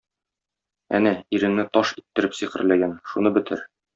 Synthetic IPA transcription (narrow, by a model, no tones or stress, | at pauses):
æ̰næiɾɘ̆ŋnɘt̪ɒʃit̪ːɘ̆ɾɘpsiqɘ̆ɾlæɡænʃunɤbɘ̆t̪ʰɘɾ